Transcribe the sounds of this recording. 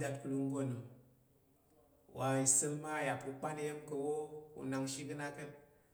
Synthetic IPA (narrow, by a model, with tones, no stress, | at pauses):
da˦t̚ku˨lu˦ŋ˦ɡo˦˨nu˨ | wa˨i˨sə˦lma˦˨ja˨pu˨k͡pa˦ni˦je˦mkə˨wo˦ṵ˨na˨ŋʃi˦ɡɨ˦na˦kə˦n